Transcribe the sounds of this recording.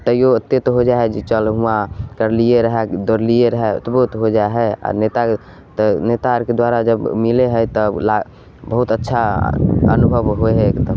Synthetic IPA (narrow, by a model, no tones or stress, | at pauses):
t̪əijot̪ːet̪ɔɦod͡ʒaeɦɛd͡ʒet͡ʃəlɦuakəɾlieɾəɦɛd̪oɾlieɾəɦɛ̰t̪ɔbəɦut̪ɦod͡ʒaeɦɛa̰net̪a | t̪ɔnet̪aɾked̪waɾad͡ʒəbmileɦəjt̪ɔla | bəɦut̪ətːʃʰa̰ə̰nubʱəʋɦoeɦɛkt̪ə